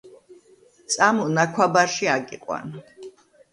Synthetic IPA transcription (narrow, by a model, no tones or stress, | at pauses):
t̪sʼamunakʷʰwabaɾʃiaɡiqʼwa̰n